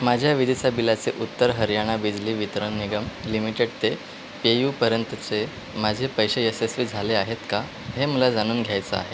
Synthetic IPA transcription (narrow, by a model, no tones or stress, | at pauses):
mad͡ʑʱjaʋid̪ʱisabilat͡seʔut̪ːəɾɦəɾjaɽ̃abid͡zliːʋit̪ɾəɳniɡəmlimiʈeɽt̪e | pejuːpəɾjənt̪ət͡se | mad͡ʑʱepəjɕeesesʋiːd͡zʱaleaɦet̪ka | ɦeməlad͡zaɽ̃uːnɡʱjajt͡səa̰ɦe